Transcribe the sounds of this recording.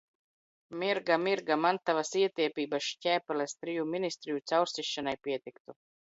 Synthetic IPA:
mʲiɾɡamiɾɡamant̪avasiɛt̪iɛpʲiːbaʃcʲɛːpʲɛlɛst̪ɾijuminʲist̪ɾijut̪sawɾst̪iʃːanajpʲiɛt̪ikt̪u

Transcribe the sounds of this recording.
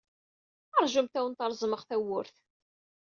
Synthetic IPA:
əɾˤʒəmt̪æwənt̪ɑɾˤzˤməʁθæwːʊɾθ

